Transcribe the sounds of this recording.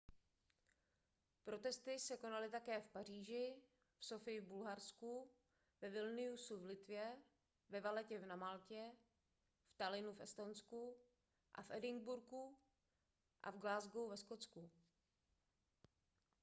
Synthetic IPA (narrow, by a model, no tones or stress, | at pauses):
pɾo̞t̪ɛst̪ɪsɛko̞nalɪt̪akɛːfpar̝iːʒɪ | fso̞fɪjɪvbulɦaɾsku | vɛvɪlnɪusuvlɪt̪vjɛ | vɛvalɛcɛvnamalcɛ | ft̪alɪnufʔɛst̪onsku | ʔa̰fʔɛdɪŋɡbuɾku | ʔa̰vɡlaːzɡowvɛskot͡sku